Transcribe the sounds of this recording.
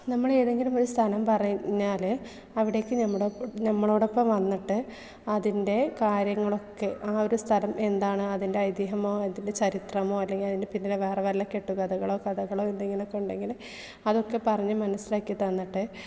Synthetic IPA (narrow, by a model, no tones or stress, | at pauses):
nɐmːɐɭeːðeŋɡilumo̞ɾust̪ʰɐnɐmpɐrɐjɲːaːlɨ | ɐʋiɽe̞ːkːɨɲɐmːɐɽnɐmːɐɭo̞ːɽopːɐmʋɐnːiʈːɨ | ɐðinde̞kaːɾjɐŋːɐɭo̞kːe̞ʔaːo̞ɾust̪ʰɐlɐme̞nd̪aːɳɨɐðinde̞ɐjd̪jɐɦɐmo̞ːend̪inde̞t͡ɕɐɾit̪rɐmo̞ːɐlːe̞ŋɡilɐðinɨpinːileʋeːreʋɐlːɐke̞ʈːukɐðɐɣɐɭo̞ːkɐðɐɣɐɭo̞ːe̞nd̪eŋɡilokːe̞uɳɖe̞ŋɡil | ɐðo̞kːe̞pɐrɐɲːumɐnɐsilaːkːjit̪ɐnːiʈːɨ